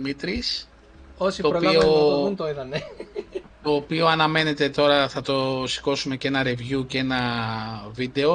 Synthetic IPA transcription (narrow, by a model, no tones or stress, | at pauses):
mit̪ɾis | osioɾopɐoount̪oiðɐne | t̪o̞ːpio̞ɐnɐme̞ne̞t̪e̞t̪o̞ɾɐθɐt̪o̞si̥ko̞sume̞ce̞nɐɾe̞vjuce̞nɐ | vid̪e̞o̞